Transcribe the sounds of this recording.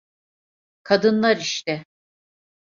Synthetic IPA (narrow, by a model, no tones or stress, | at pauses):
kʰad̪ɯnlˠaɾiʃt̪ɪ